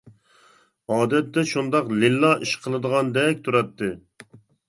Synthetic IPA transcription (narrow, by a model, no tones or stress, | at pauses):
ɑːd̪ɛt̪ːɛʃund̪ɑqlilːɑʔiʃqʰəlˠɨd̪əʁɑnd̪ɛkʲt̪ʰuɾɛt̪ːɨ